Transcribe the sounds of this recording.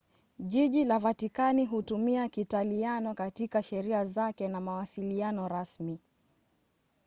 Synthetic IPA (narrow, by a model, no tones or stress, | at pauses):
ʄiʄilavatikaniɦutumiakitalianɔkatikaʃɛɾiazakɛnamawasilianɔɾasmi